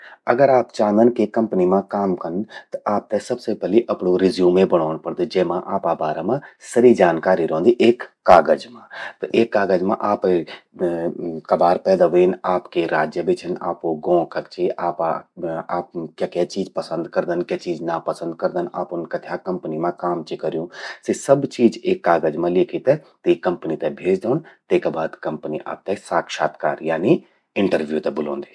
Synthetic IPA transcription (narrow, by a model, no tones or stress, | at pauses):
ɐ̰ɡəɾaːpt͡ʃãːnd̪ənkekɐ̃mpnimãkaːmkənt̪ɐʔaːp̚t̪ɛsɐbsepɛːliʔɐpnoɾɪzjũːmẽbəɽ̃aːñpɐɽd̪ed͡ʒeːmãʔaːpabaːɾemãsɐɾid͡ʒaːnkaːɾiɾõːnd̪iʔeːkːaːɡəd͡ʒmãːt̪ɐʔeːkːaːɡəd͡ʒmã̰ʔaːp | kɐbaːɾpɛːd̪aʋiːnaːpkeɾaːd͡ʒjəbɪt͡ʃʰəna̰ːpoɡõːkʰɐkt͡ʃʰeaːpaaːpkjaːkɛt͡ʃiːd͡ʒpəsə̃nd̪kəɾd̪ənkjaːt͡ʃiːd͡ʒnapəsə̃nd̪̚kəɾd̪ənaːpʊnkat̪ʰjaːkɐ̃mpənimãkaːmt͡ʃekəɾjũsesəbt͡ʃiːd͡ʒeːkːaːɡəd͡ʒmãlɪːkʰit̪ɛ̃t̪ekɐ̃mpnit̪ɛbʱeːd͡ʒd̪eːnt̪eːkabaːd̪kɐ̃mpniʔa̰ːp̚t̪ɛsaːkʃaːt̪kaːɾjaːni | ɪ̃ɳʈəɾʋjut̪ɛbʊlõ̰ːnd̪eː